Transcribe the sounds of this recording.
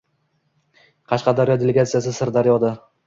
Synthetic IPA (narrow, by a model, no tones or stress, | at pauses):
qʰɑʃqɑd̪aɾjɒd̪eleɡat̪sijasɪsɪɾd̪aɾjɒd̪a